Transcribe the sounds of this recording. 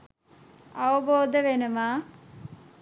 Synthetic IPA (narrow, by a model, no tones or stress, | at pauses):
ɐʋəboːd̪əʋenəmaː